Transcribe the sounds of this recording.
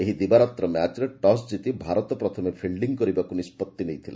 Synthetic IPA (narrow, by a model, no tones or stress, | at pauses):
eɦid̪ibaɾɔt̪ɾɔmat͡ʃɾeʈɔsd͡ʒit̪ibʱaɾɔt̪ɔpɾɔt̪ʰɔmepʰilɖiŋkɔɾibakunispɔt̪ːinejt̪ʰilḛ